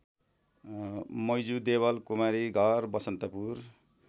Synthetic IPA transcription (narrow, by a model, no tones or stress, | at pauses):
mʌjd͡zud̪eβʌlkumaɾiɡʱʌrbʌsʌnt̪ʌpur